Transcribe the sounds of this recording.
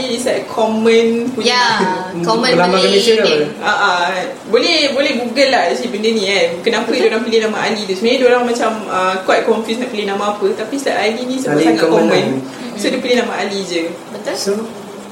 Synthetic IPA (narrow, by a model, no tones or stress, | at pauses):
lidisatkʰɔmə̃npuɲakɔmə̃laaməlesauaʔa | bolɛhbolɛhbuɡalahdasiibəndənĩankənãpədoɾãŋpəlihnãmaʔalit̪usumaɲadoɾaŋmat͡ʃaməkwat̚kɔɱfjusnaʔpəlihnãmãːpət̪apist̪aʔalinĩsaaɡaʔkɔəmə̃n | sodəpəlihnamãʔalid͡ʒəbət̪o